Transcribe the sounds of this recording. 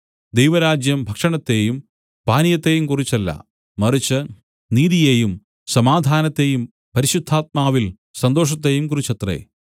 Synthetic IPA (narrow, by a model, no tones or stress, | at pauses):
d̪ejʋɐɾaːd͡ʑjɐmbʱɐkʂɐɳɐt̪ːe̞jum | paːnijɐt̪ːe̞jumkurit͡ɕːɐlːɐ̰ | mɐrit͡ɕːɨ | niːðije̞jum | sɐmaːd̪ʱaːnɐt̪ːe̞jum | pɐɾiɕud̪ʱːaːt̪̚maːʋil | sɐnd̪o̞ːʂ̬ɐt̪̬ːe̞jumkurit͡ɕːɐt̪rḛ